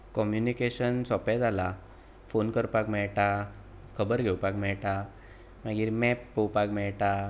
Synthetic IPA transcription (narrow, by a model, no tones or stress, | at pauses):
kɔmjunikeɕənsɔpɛd͡zala | fonkəɾpakmɛɭʈa | kʰəbəɾɡʱewpakmɛɭʈa | maɡiːɾmɛpːəwpakmɛɭʈa